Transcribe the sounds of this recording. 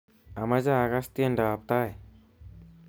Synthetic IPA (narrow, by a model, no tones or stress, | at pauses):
amazaːɡast̪iɛnɖawap̚t̪aj